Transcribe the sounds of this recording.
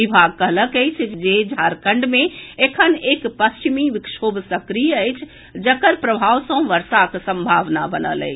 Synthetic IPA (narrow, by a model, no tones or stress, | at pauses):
ibʱaɡ̚kəɦləkəjt͡ʃʰd͡ʒed͡ʒʱaɾkəɳɖmẽekʰənekpəst͡ʃimiʋikʃobsəkɾijəəjt͡ʃʰ | d͡ʒəkəɾpɾəbʱaʋsə̃ʋəɾsaksəmbʱaʋnabənə̰lə̰j